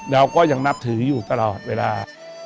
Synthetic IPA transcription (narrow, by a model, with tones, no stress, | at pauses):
ɾa˧wkɔː˦˥˩ja˨˩ŋna˦˥p̚t̪ʰɯː˨˩˦juː˨˩t̪a˧lɔː˨˩t̪̚weː˧˩laː˧